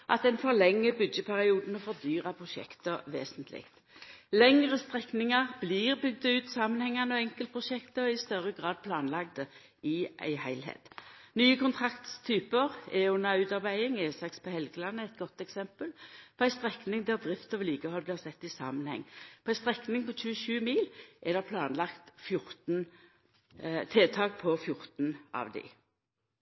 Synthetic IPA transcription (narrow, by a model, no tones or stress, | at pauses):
ʔɑt̪ɛnfɔʁlɛŋːəbʏd̪jəpʰæʁɪuːd̪n̩ɔfɔʁd̪yːʁɑpʰʁʊʃɛ̰kt̪əʋḛːsənt̪lɪ̰kt̪ | lɛŋʁəst̪ʁɛknɪŋɑʁbliʁbʏɡd̪ɑʉːt̪sɑːmənhɛŋːɑnəɔɛŋkəlt̪̚pʰʁʊʃɛkt̪əɔɪst̪œʁəɡʁɑːd̪̚pʰlɑːnlɑɡ̚d̪ə | ɪʔæ̰ɪhæɪlɦḛːt̪nyːəkʊnt̪ʰʁɑkt̪st̪ʰyːpəʁɛʉnɑʉːt̪ɑʁbæɪɪŋeːsɑkspʰɔhɛlɡəlɑnːəɛt̪ɡɔt̪ːɛksɛmpəlpʰɔæɪst̪ʁɛknɪŋd̪æːʁd̪ʁɪft̪əɔʋliːɡəhɔlːbliːʁsɛt̪ːɪsɑ̰ːmənhɛ̰ŋːpʰɔæɪst̪ʁɛknɪŋpɔt͡ʃʰʉːʃʉːmiːlʔɛd̪ɛʁpʰlɑːnlɑkt̪fjʊʁt̪n | t̪ʰeːt̪ʰɑːkpʰɔfjʊʁt̪nʔɑ̰ʋd̪ɪ̰